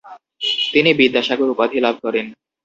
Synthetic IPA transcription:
t̪inibid̪ːaʃaɡoɾupad̪ʱilab̚ʱkɔɾen

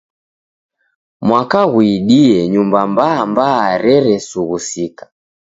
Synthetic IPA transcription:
mwakaɣuiɗiɛɲumbambaːmbaːɾɛɾɛsuɣusikḁ

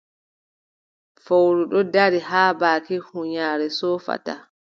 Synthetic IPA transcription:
fowɾuɗɔdaɾiɦaːbaːkihuɲaːɾɛsɔːfa̰ta

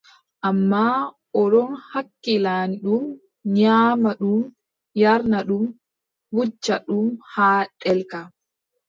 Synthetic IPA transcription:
ʔamːa | ʔɔɗɔnhakːilanɗum | ɲaːmaɗum | jaɾnaɗum | wud͡ʒːaɗumhaːɗɛlka

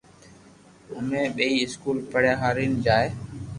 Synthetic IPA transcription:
ʊmẽːɓeːiːɪskuːlpəɽjaːɦaːɾiːnd͡ʒaːeː

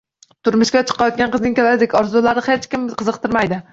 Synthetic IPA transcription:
t̪ʰʊɾmʊʃkʲat͡ʃʰɨ̥qʰɑjɒt̪̚ɡʲanqʰɨznɪŋʲkʲalaɾɪd̪ekʲɒɾzʊlaɾnɪhet͡ʃkʲɪmqʰɨzɨqt̪ɨɾmajd̪ɪ

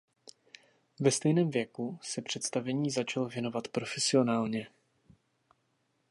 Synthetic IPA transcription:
vɛst̪ɛjnɛːmvjɛkusɛpr̥ɛt̪st̪avɛɲiːzat͡ʃalovjɛno̞vat̪pɾo̞fɛsɪo̞naːlɲɛ

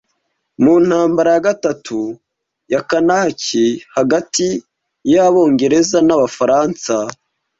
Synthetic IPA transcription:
muːn̥haːmbaɾajaɡatatʰu | jakanaːcihaɡati | jaβo̞ːŋɡe̞ɾe̞zanaβafaɾaːnsa

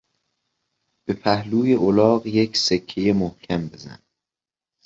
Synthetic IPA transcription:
b̥e̞pʰæhluːjeʔolɒːɢjecʰsekʰːejemohcʰæmbe̞zæ̰n

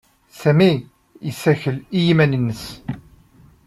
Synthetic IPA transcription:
sæmi | isæçəlijimænənːəs

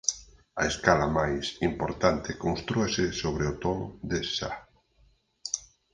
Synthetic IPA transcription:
aeskalamajsimpoɾt̪ant̪ɪkonst̪ɾuesesoβ̞ɾeot̪ond̪esa

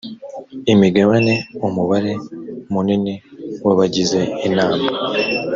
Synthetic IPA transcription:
imiɡaβane̞omuβaɾe̞muniniweβaɟize̞inaːmba

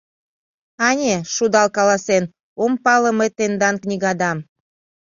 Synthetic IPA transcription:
ɑnʲeʃud̪ɑlkɑlɑsen | ompɑlə̆met̪end̪ɑnknʲiɣɑd̪ɑm

